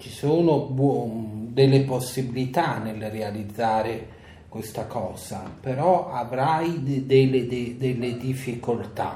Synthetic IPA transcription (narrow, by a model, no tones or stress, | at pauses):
t͡ʃisuːnobɔd̪elːeposːibilit̪anelrealid̪zːaːɾe | kwest̪akʰɔːz̥apeɾɔavɾajd̪elːed̪ed̪elːed̪ifːikolt̪a̰